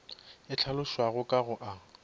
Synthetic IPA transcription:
ɪt͡ɬʰalʊʃwaɣʊkʼaɣʊʔa

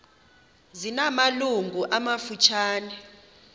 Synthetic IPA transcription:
zinamaluŋɡʱuʔamafut͡ʃʰaːnɛ

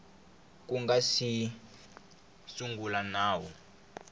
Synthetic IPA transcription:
k̬ʼuŋɡasi | suŋɡulanaːwɔ

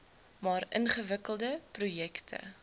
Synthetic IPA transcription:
mɑːɾənχəvəkəlˠdəprujɛktʰə̰

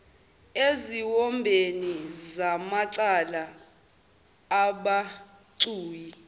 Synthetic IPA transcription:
eziwɔmbʱenizamaǀala | ɓa | ǀuːji

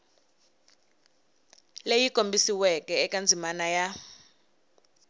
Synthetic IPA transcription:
lejikombʱisiwɛkɛːkʼand͡zʱimanaja

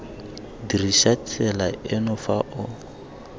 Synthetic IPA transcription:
diriʃat͡sʰɛlaɛnɔfaʔʊ

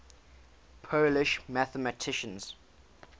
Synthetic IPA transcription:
pʰoːlɪʃmaθəmətʰɪʃə̃nz̥

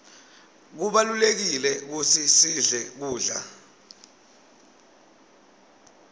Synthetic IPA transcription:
k̬uɓalulek̬ilɛk̬utʰisiɮɛk̬uːɮa̰

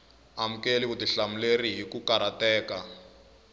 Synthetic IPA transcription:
am̩kelik̬utiɬamuleriɦikukaɾatɛːka

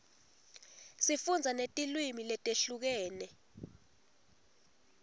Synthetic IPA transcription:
sifund͡zʱanetʼilwimilɛtʼeɬuk̬ɛːnɛ

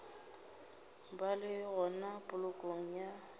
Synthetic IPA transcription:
balɪɣɔnapʼʊlʊkʼoŋ̩ja

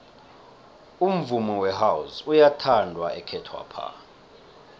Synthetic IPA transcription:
um̩vumɔwɛɦawusujatʰandʱwaɛkʰɛtʰwa̰pʰa̰

